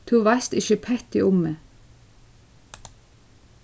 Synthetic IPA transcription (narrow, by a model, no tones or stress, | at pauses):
t̪ʰuːʋæst̪ɪçəpʰɛt̪ɪ̰ʔʊmə